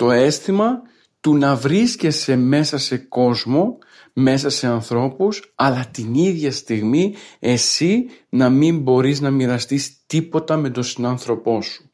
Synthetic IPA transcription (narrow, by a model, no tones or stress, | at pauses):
t̪o̞e̞st̪imɐ | t̪unɐvɾisce̞se̞me̞sɐse̞ko̞zmo̞ | me̞sɐse̞ɐnθɾo̞pusɐlɐt̪iniðʝɐst̪iɣmie̞sinɐmimbo̞ɾiznɐmiɾɐst̪ist̪ipo̞t̪ɐme̞d̪o̞sinɐnθɾo̞po̞su̥